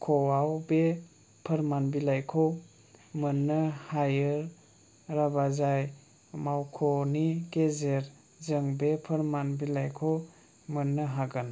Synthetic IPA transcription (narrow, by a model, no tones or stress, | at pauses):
kʰowawbe | pʰəɾmanbilajkʰow | mɯnːɯhajɯɾ | ɾabazaj | mawkʰoniɡezeɾ | zɯŋbepʰəɾmanbilajkʰow | mɯnːɯɦaɡɯn